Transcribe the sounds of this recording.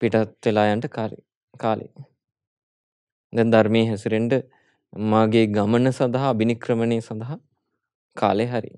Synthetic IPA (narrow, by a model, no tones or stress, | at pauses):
piʈɐt̪ʋelaːjaɳʈəkaɾḭ | kaːlḛ | d̪ɛnd̪aɾmeːɦɛsuɾeɳɖə | maːɡeːɡamənəsɐnd̪ɐɦaːbinikɾəməneːsɐnd̪ɐɦa | kʰaːleɦɐɾḭ